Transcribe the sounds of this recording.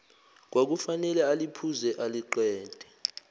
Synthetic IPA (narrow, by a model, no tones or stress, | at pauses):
k̬wak̬ufanɛlɛalipʰuzɛʔaliǃɛːd̥ʱɛ̥